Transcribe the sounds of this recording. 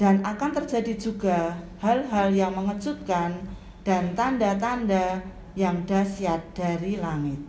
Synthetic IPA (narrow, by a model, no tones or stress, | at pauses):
d̥anakant̪ərd͡ʒadid͡ʒuɡahalɦaljaŋməŋət͡ʃut̪̚kan | d̥ant̪andat̪anda | jaŋdasiat̪̚d̥aɾilaŋɪt̪̚